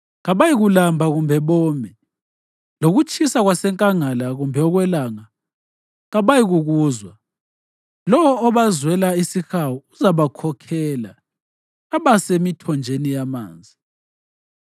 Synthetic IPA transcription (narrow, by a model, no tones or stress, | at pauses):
ɣaβajiɣulambʱaɣumbʱɛβɔːmɛ | loɣut͡ʃʼisaɣwasɛŋkʼaŋalaɣumbʱɛɔɣwɛlaːŋa | ɣaβajiɣuɣuːzwa | lɔwɔːβazwɛlaisixawɔuzaβakʰɔkʰɛːla̰ | aβasemitʰɔnd͡ʒʱenijama̰ːnd͡zʱi